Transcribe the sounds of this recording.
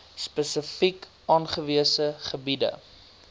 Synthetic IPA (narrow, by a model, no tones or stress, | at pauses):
spəsəfik | ɑːnχəviəsəχəbidə̰